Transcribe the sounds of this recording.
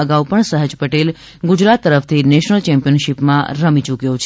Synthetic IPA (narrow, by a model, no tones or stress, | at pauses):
əɡaupəɳsəɦəd͡ʒpəʈel | ɡʊd͡ʒɾat̪ːəɾəft̪ʰineʃnəlt͡ʃɛmpijənʃipmã̰ɾəmit͡ʃukjot͡ʃʰ